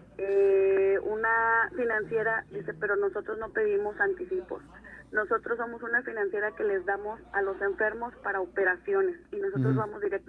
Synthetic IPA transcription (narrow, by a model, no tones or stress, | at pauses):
eunafinãnsje̞ɾad̪ise̞pe̞ɾo̞no̞so̞t̪ɾo̞zno̞pe̞ðimo̞sant̪isipo̞̰s | no̞so̞t̪ɾosːo̞mo̞sunafinãnsje̞ɾake̞le̞zðamo̞salo̞se̞ɱfe̞ɾmo̞spaɾaope̞ɾasjo̞ne̞sinos̬o̞t̪ɾo̞zβamo̞zðiɾek̚t